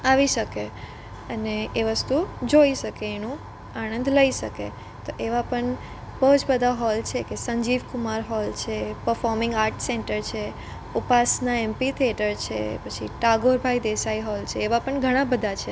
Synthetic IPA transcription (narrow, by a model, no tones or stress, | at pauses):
aʋiʃəke | əneeʋəst̪ud͡ʒoiʃəkeːnũ | aɽ̃ə̃nd̪ləiʃəkḛ | t̪oʔeʋapəɳ | bəɦud͡ʒbəd̪ʱaɦɔlt͡ʃʰekesəɲd͡ʒiʋkumaɾɦɔlt͡ʃʰepəɾfɔɾmɪ̃ŋɡaɾʈseɳʈəɾt͡ʃʰe | upasnaempit̪ʰeʈəɾt͡ʃʰḛpət͡ʃʰḭʈaɡoɾbʱaid̪esaiɦɔlt͡ʃʰeːʋapəɳɡʱəɽ̃ãbəd̪ʱat͡ʃʰe